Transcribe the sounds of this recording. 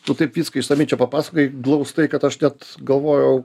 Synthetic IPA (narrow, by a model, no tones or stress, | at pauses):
nʊt̪ɐɪpʋʲiːskɐɪʃsɐmʲɪnʲt͡ʃʲɛpɐpɑːsɐkoɪɡlˠɐʊst̪ɐɪkɐt̪ɐʃnʲæt̪ɡɐlˠʋoːjɛʊ